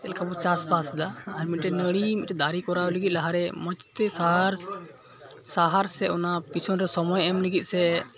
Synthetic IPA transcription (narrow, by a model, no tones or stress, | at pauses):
t̪ɛlkabɔt͡ʃaspasd̪aːɾmit̪̚ʈɛnəɽimit̪̚ɛd̪aɾikɔɾaləɡit̪̚ˀlaɦaɾɛmɔt͡ʃt̪ɛsaɦɾ | saɦaɾsɛɔnapit͡ʃʰɔnɾɛsɔmɔjɛmləɡit̪̚ˀsɛ